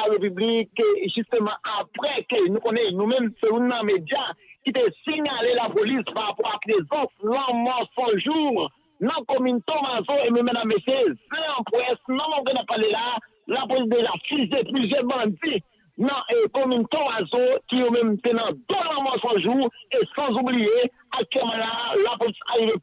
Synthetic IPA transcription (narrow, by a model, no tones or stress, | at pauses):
aʁepyblikʒyst̪ømɑ̃ʔapʁɛkønũkõnɛnũmɛ̃mselũnːɐ̃med͡zjakit̪esiɲalelapolispaʁapɔʁaplezãslãmɔsɔ̃ʒuʁ | nɐ̃komỹnt̪omazoemɛ̃mɛ̃d̪amːesjezɛ̃ɐ̃pwɛsnãmɔ̃kɛ̃napːalelaː | lapolis̬d̪eʒafiʒeplyzjɛbɐ̃d͡zi | nɐ̃ʔkomỹnt̪omazokijomɛ̃mt̪enɐ̃d̪olãmɔsãʒuesʌ̃zublije | akːɛmãlalapolisaɣive